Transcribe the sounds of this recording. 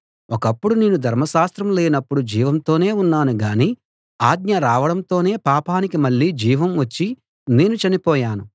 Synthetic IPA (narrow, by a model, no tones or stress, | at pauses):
ɔkɐpːuɽune̞ːnud̪ʱɐɾmɐʃaːst̪ɾɐmleːinɐpːuɽud͡ʒiːʋɐmt̪o̞ːne̞ːunːaːnuɡaːniː | aːɡ̪̚ɲɐɾaːʋɐɽɐmt̪o̞ːne̞ːpaːpaːnikimɐɭːiːd͡ʒiːʋɐmʋɐt͡ʃːi | ne̞ːnut͡ʃɐnipɔːjaːnu